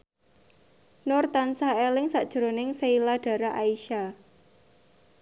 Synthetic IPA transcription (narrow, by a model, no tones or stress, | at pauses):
nɔrt̪ansaelɪŋsaʔd̥ʒ̥ɾonɪŋseilaɖ̥a̤ɾaʔaiʃa